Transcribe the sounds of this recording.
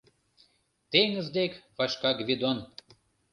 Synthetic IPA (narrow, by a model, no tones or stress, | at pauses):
t̪eŋə̆zd̪ekvɑʃkɑɡvʲid̪on